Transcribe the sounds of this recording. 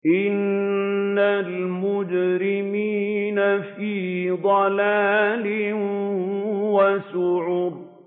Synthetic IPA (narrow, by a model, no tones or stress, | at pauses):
ʔɪnː | almʊd͡ʒɾɪmiːnafiːd̪ˤɑlaːlɪ | wasʊʕuːb